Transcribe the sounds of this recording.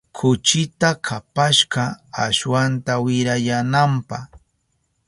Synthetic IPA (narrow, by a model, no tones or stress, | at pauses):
kʰʊt͡ʃɪt̪akʰapaʃɢɑaʃwant̪awɪɾajanampɑχ